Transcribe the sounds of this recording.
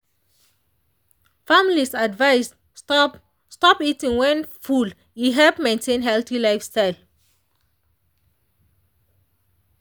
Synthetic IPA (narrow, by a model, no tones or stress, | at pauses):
familisadvaɪs | stɔpitĩŋwɛ̃nful | jiɦɛlpmẽntʰẽnɦɛlθilaɪfstaɪl